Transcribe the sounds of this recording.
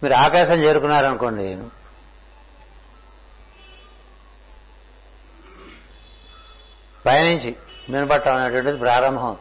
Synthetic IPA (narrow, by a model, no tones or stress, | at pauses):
miːɾuaːkaːʃɐmt͡ʃeːɾukunːaːɾɐnukoːɳɖi | pɐjɐniɲt͡ʃimeːnɐpɐʈːaːmunːɐʈuʋɐɳʈɐd̪ipɾaːɾɐmbʱɐm